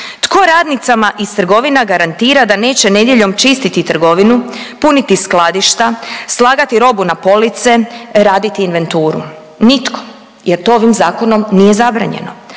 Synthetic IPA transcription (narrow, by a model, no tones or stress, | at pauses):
t̪ko̞ɾaːd̪nit̪samaʔist̪r̩ɡo̞ʋinaɡaɾant̪iːɾad̪ane̞ːt͡ɕe̞ne̞d̪je̞ʎo̞mt͡ʃist̪it̪it̪r̩ɡo̞ʋinupunit̪isklˠad̪iʃt̪aslˠaːɡat̪iɾo̞bunapo̞lit̪se̞ɾaːd̪it̪iːnʋe̞nt̪uːɾṵ | nit̪kʰo̞̥ | jeɾt̪o̞oʋimzaːko̞no̞mnije̞zabɾa̰ɲḛno̞̰